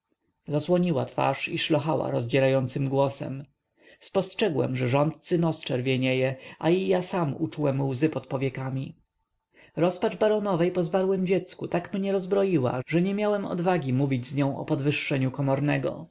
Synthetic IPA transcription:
zaswɔɲiwat̪fa̰ʂiʂlɔxawa̰ɾɔzd͡ʑɛɾajɔnt̪sɘmɡwɔsɛ̰m | spɔstʂɛɡwɛ̰mʐɛʐɔnt̪̚t̪sɘnɔst͡ʂɛɾvʲjɛɲɛjɛʔaijasamṵt͡ʂuwɛmwzɘpɔt̪pɔvʲjɛkamʲi | ɾɔspat͡ʂbaɾɔnɔvɛjpɔzbaɾwɛmd͡ʑɛt̪skut̪akmɲɛɾɔzbɾɔjiwa̰ʐɛɲɛmʲjawɛmɔ̰d̪vaɡʲimuvʲid͡ʑzɲɔ̃w̃ɔ̰pɔd̪vɘʂːɛɲukɔmɔɾnɛɡɔ̰

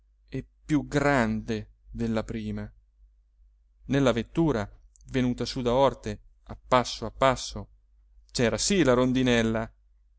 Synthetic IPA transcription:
ɛpːjuɡɾand̪e | d̪elːapɾiːma | nelːavet̪ːuːɾa | venuːt̪asud̪aɔrt̪e | apːasːoapːasːo | t͡ʃɛːɾasilaɾond̪inɛlːa

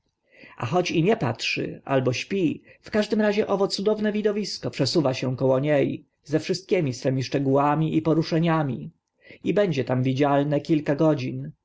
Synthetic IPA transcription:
a̰xɔt͡ɕiɲɛpa̰tʂɘ̰a̰lbɔɕpʲifkaʐd̪ɘmɾaʑɛʔɔvɔt̪sud̪ɔvnɛvʲid̪ɔvʲiskɔpʂɛsuvaɕɛkɔwɔɲej | zɛfʂɘst̪̚kʲemʲisfɛmʲiʂt͡ʂɛɡuwamʲiʔipɔɾuʂɛɲamʲi | ibɛɲd͡ʑɛt̪amvʲid͡ʑalnɛkʲilkaɡɔd͡ʑin

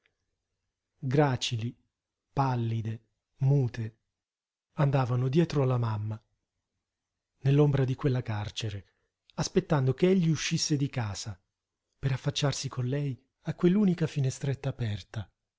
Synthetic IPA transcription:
ɡɾaːt͡ʃili | palːid̪e | muːt̪e | and̪aːvanod̪jɛːt̪ɾoalːamamːa | nelːombɾad̪ikwelːakart͡ʃeɾe | aspet̪ːand̪okeeʎːiuʃːisːed̪ikaːz̥a | peɾafːat͡ʃːarsikʰonlɛj | akːwelːuːnikafinest̪ɾet̪ːaːpɛrt̪a

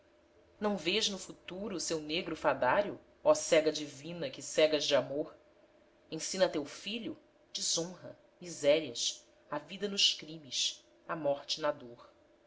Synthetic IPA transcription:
nɐ̃w̃veʒnʊfut̪uɾʊsewneɡɾʊfad̪aɾjʊ | ɔsɛɡɐd͡ʒivĩnɐkɪsɛɡɐzd͡ʒɪamoɾ | ẽsĩnɐt̪ewfiʎʊ̰ | d͡ʒizõɦɐ̰ | mizɛɾiɐs | avid̪ɐnʊʃkɾĩmiʃ | ɐmɔɾt͡ʃɪnad̪oɾ

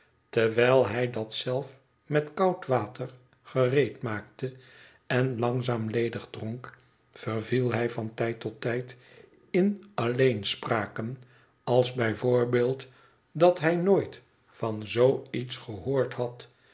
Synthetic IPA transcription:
təɹʋɛjlˠɦɛjdɑtsɛlˠf | mɛtkɑwtʋaːtʰər | χərejtmaːktə | ɛnlɑŋzaːmlejdəχdroŋk | fərvilˠɦɛjvɑntɛjtɔtːɛjt | ɪnɑlejnspraːkən | ɑlˠzbɛjvʊːɹbeːlˠt | dɑtɦɛjnojt | fɑnzowitsχəɦoːɹthɑt

